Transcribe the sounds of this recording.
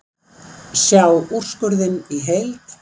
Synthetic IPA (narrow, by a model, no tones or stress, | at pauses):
sjaːwur̥skʏɾðɪniɦejlt̪